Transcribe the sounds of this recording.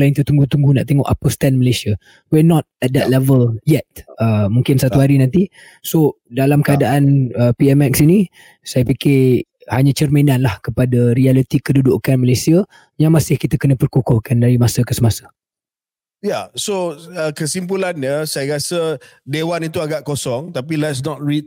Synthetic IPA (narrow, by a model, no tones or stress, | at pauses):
laɪnt̪ət̪uŋɡut̪uŋɡuna̰ʔt̪eŋɔʔapəst̪ɛnməlesia | wɛnɔt̪̚ɛt̪̚d̪ɛt̪̚lɛvəljɛt̪̚əmuŋkɪnsat̪uɦaɾinãnt̪i | so | dalamkəadaʔanəpiɛmɛksini | sajapikɪ | haɲat͡ʃərmenanlahkəpadaɾialit̪ikəduduʔkanməlesia | jaŋmasɪhkit̪akənə̃pərkukʊhkandaɾimasəkəsəmasḁ | jasoəkəsimpulanɲəsajaɾasə | dewanit̪uaɡaʔkosɔŋt̪apilɛtsnɔt̚ɹit̚